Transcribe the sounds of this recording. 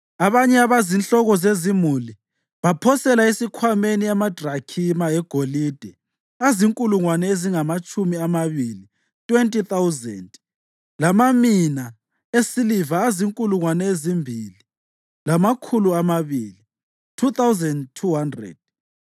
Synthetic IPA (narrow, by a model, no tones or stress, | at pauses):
aβaɲɛaβazinɬɔɣɔzezimuli | βapʰɔsɛlaesikʰwameniamad̥ʱrakʰimaɛɡ̥ʱolid̥ʱɛ | aziŋkʼuluŋwanɛeziŋamat͡ʃʼumiamaβili | tʼwentʼiθawzɛ̰nd | lamamina | esilivaːziŋkʼuluŋwanɛezimbʱili | lamakʰuluamaβili | tʰuθawzɛndtʰuɦandrɛ̰d̥̚